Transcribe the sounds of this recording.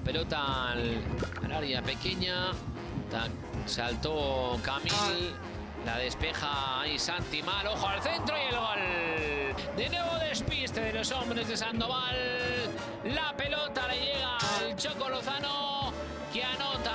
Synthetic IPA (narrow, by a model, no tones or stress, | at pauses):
pe̞lo̞t̪a | a̰laɾjape̞ke̞ɲa | t̪a | salt̪o̞kamilː | a̰ð̞e̞spe̞xaisant̪imalo̞xoalθe̞nt̪ɾojelɣol | d̪e̞nwe̞βo̞ðe̞spist̪e̞ðelo̞so̞mbɾe̞zðe̞sand̪o̞βalː | ape̞lo̞t̪ale̞ʝe̞ɣ̞alt͡ʃoko̞loθano | keanot̪a